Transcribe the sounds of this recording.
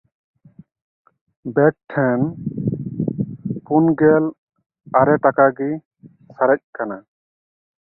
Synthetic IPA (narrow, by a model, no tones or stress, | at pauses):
bɛk̚ʈʰɛn | punɡɛl | aɾɛʈakaɡi | saɾɛc̚kana